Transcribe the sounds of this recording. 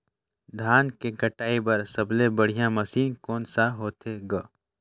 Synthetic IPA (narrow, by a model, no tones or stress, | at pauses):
d̪ʱaːnkeɡəʈaːibɐɾsɐblebəɽ̤ijãmɐsiːnkoːnsaɦoːt̪ʰeɡaː